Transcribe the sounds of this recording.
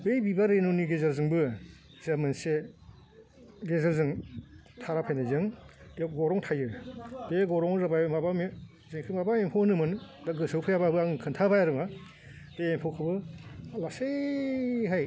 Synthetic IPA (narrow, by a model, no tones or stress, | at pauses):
bejbibaɾenoniɡezaɾzɯŋbɯ | zamɯnse | ɡezaɾzɯŋtʰaɾapʰajnazɯŋeɡɔɾɔŋtʰajɯbeɡɔɾɔŋɾabajɯmabami | zeŋkʰɯmabaempʰonɯmɯn | daɡɯsɯwpʰɯjababɯaŋkʰɯntʰabajaɾɯŋa | deempʰokʰɯbɯlase | ɦaj